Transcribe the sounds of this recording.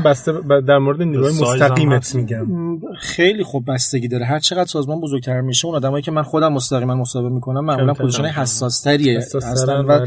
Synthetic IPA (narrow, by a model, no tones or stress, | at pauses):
bæst̪ebd̪æɾmoɾed̪eniːɾuɒːjemosst̪æɣiːmet̪ʰmiɟæmxe̞jliːxob̚ːæst̪eɟiːd̪ɒːɾeɦæɾt͡ʃʰe̞ɣæd̪ɾsɒːzmɒːnbozoɾɡ̚t̪ʰæɾmiːʃeunɒːd̪æmɒːjiːcʰemænxo̞d̪æmːost̪æɣiːmænmosɒːhebemiːkʰo̞næmːæʔmulænmpʰoloʃɑːnɒjeɦæsːɒːst̪ʰæɾiehæsst̪ænvæ